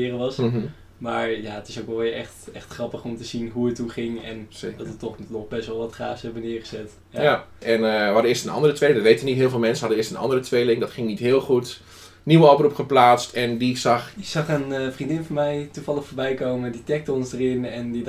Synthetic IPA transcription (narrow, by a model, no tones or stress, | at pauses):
ɪːrəʋɑs̩ | maːɹjaətɪsowkʋɛlˠʋɪɛ̰χtɛxtχrɑpəχɔmtəzinɦuətuχɪŋɛ̰nsedɔtətɔχnɔχbɛstʋɛlˠʋɑtχra̰ːshɛbənɪːɹχəzɛt | jaaɛnhɑdəɪːstənɑ̰ndərətʰʋejlɪŋdɔtʋejtənitɦɪːlˠfɪːlˠmɛnsəhɑdənɪːstənɑ̰ndərətʋejlɪŋdɔtχɪŋnitɦɪːlˠχut | niʋəɔprupχəplaːtstɛndisɑχɪsɑχənfrindɪnfɑnmɛjtuvɑlˠəxfoːɹbɛjkowməənditɛk̚tɔnsdərɪnɛndi